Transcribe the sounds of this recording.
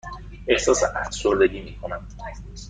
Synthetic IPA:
ʔe̞hsɒːseʔæfsoɾd̪e̞ɟiːmiːkʰo̞næm

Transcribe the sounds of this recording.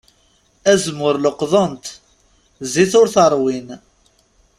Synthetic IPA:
æzmʊɾləqðˤənt̪ | ziθʊɾθəɾˤwin

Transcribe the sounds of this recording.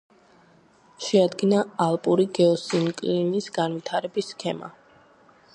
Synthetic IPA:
ʃɛad̪ɡinaːlˠpʼuɾiɡɛɔsiŋkʼlinisɡanvit̪ʰaɾɛbisːkʰɛma̰

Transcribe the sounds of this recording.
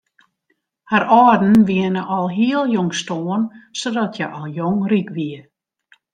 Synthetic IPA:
haɾɔːrdn̩ʋiənəʔɔlˠɦiəlˠjɔŋstoːənsodɔtʰjɛʔɔlˠjoŋrikʋiə

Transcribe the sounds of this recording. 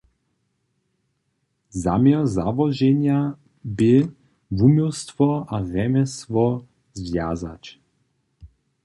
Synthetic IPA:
za̰mɛɔzavɔʒɛɲja | bɪ | vumust̪vɔaɾɛmɛst̪vɔ | zvjaza̰t͡ʃ

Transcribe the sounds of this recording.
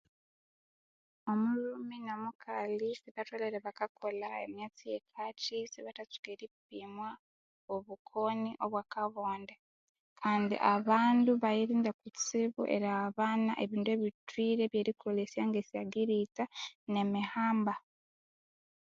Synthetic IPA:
o̞muɾuminomukʰalisiβatweleɾeβakakolaḛmjet͡sijekʰat͡ʃisiβatat͡su̥ɡeɾipimwa | oβukʰo̞niʔo̞βwaːkaβoːnde | kʰaːndḭʔaβaːnduβajiɾiːndakut͡siβuʔe̞̰ɾaaβaːnaʔeβiːndue̞βitwiːɾe̞βjeːɾikuolesjaːŋɡesijaɡiɾitane̞mihaːmba

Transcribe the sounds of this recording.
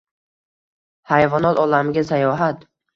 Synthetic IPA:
hajvɒnɒt̪ɒlamɪɡʲasajɒɦat̪

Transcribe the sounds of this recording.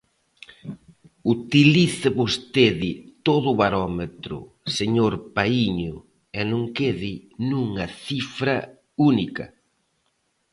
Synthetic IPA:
ut̪iliθɪβost̪eðɪt̪oðʊβaɾɔmet̪ɾʊ̰ | seɲoɾpaiɲʊ | ɛnõŋkeðɪnuŋɐθifɾɐ | unikɐ̰

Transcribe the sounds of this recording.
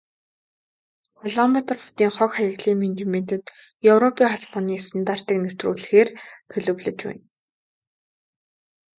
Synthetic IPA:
χɔɮɔmat̪ə̆rχʊ̥t̪iːŋχœkχajə̆ɣɮiːmint̪imen̥t̪ɘ̆t̪ | jɵwrɔpiːŋχaɮpɔniːsə̆nt̪aːrt̪ə̆knɵw̥t̪ruːɮɘ̆xeːrt̪ʰɵɮɵ̆wɮɵ̆t͡ɕwæ̰ːn

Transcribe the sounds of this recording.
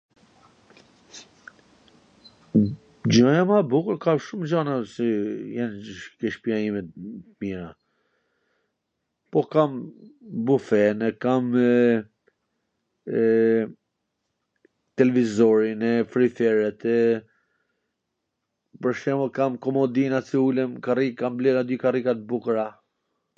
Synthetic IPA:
d͡ʒɔjamabukəɾkamʃumd͡ʑanasɛjɛnkiʃpiajimɛt̪miɾa | pɔkambufɛnɛkam | t̪ɛlɛvizɔɾinɛfɾifɛɾɛt̪ | pəɾʃɛmlkamkɔmɔd̪inat͡siulɛmkarikamblɛɾad̪ykarikat̪̚bukəɾa

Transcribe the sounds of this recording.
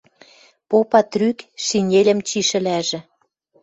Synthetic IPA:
popɑt̪rykʃinʲelʲə̆mt͡ɕiʃɘ̆læʒĕ

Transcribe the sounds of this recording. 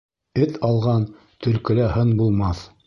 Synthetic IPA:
ɘt̪ʰɑlˠʁɑn | t̪ɵ̆lkɘ̆læhɤnbulˠmɑθ

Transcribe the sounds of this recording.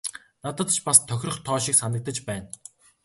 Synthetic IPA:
nat̪ə̆t̪t͡ɕʰpast̪ʰːœxʲrə̆χt̪ʰɔːʃiksanə̆k̚t̪ə̆t͡ɕpæːn

